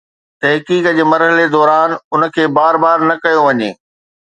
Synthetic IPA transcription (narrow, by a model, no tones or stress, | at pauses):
t̪ɐɦkiːkəd͡ʑeːmɐɾɦəled̪ɔːɾaːnʊnə̆kʰeːbaːɾbaːɾnɐkɐjoʋɐɲḛː